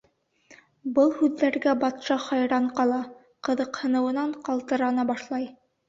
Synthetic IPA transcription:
bɤlˠhʉðːæɾɡæbɑt̪ʃɑχɑjɾɑɴqɑlˠɑ | qɤ̆ðɤ̆qhɤ̆nɤ̆wɤ̆nɑɴqɑlˠt̪ɤ̆ɾɑnɑbɑʃlˠɑj

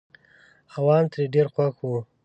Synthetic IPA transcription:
awɑnt̪ɾeɖeɾxwaxwu

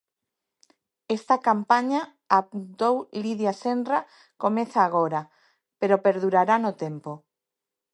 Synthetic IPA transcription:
est̪akampaɲaː | t̪owliðjasendra | komeθaːɣ̞oɾa | peɾopeɾðuɾaɾanot̪empo

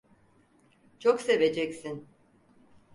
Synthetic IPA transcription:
t͡ʃʰokse̞ve̞d͡ʒɛcsin

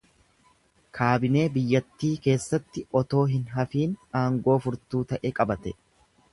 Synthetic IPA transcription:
kʰaːbɪne̞ːbɪjːɐt̪ːiːke̞ːsːɐt̪ːɪʔɔt̪o̞ːɦɪnɦɐfiːnaːŋɡo̞ːfʊɾt̪uːt̪ɐʔɛkʼɐbɐt̪ɛ

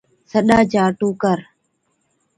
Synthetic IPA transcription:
səɗaːd͡ʒaːʈuːkəɾ

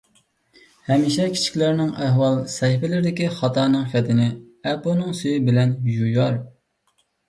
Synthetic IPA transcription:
hɛmiʃɛkʲʰi̥t͡ʃʰi̥kʲlɪɾɪnɪŋæɦwɑlˠsɛjfɪlɪɾɪd̪ɪkʲiχɑt̪ʰɑɾnɨŋfɛt̪ʰɪnɪ | ɛponɨŋsyjibɪlɛnjujɑɾ

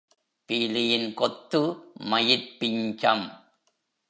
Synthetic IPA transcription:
piːlɪjɪnkɔt̪ːɯmɐjɪɾpːɪɲd͡ʒɐm

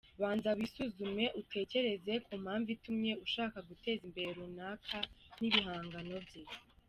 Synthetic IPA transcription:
βaːnzaβisuzume̞ʔutʰe̞ːce̞ɾe̞ze̞kum̥haːɱvitumɲe̞uʃaːkaɡute̞ːzimbe̞ɾeɾunaːkʰaniβiɦaːŋɡano̞vje

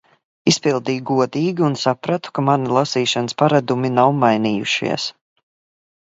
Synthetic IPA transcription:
ispilˠd̪iːjɡuɔd̪iːɡʲiunsapɾat̪u̥kamanilˠasiːʃanəspaɾad̪uminawmajniːjṵʃḭɛs

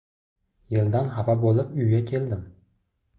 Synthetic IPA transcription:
jeld̪anɦavabolˠɪpʊjɡʲakʲʰe̞ld̪ɪm

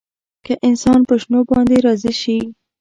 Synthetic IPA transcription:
kaʔɪnsɑnpəʃnobɑnd̪eɾɑziʃi

